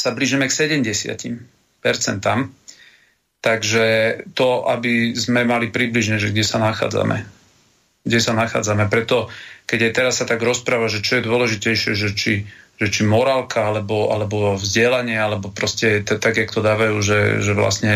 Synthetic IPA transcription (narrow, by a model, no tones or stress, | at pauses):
sabliʒimɛksɛɟɛmɟɛsɪa̰cḭm | pɛɾt͡sɛnt̪am | t̪aɡʒɛt̪ɔʔabizmɛmalipɾibliʒɲɛʒɛɡɟɛsanaxa̰ːd͡za̰mɛ̰ | ɡɟɛsanaxa̰ːd͡zamɛpɾɛt̪ɔkɛɟajt̪ɛɾasːat̪aɡɾɔspɾaːʋaʒɛt͡ʃɔjɛd̪ʊɔlɛʒicɛjʃɪɛʒɛt͡ʃiʒ̥ɛt͡ʃimɔɾaːlkaalɛbɔa̰lɛbɔvzɟɪɛlaɲɪɛalɛbɔpɾɔscɛt̪t̪aɡjakt̪ɔd̪aːʋajuːʒɛ̰ʒɛʋla̰sɲɛ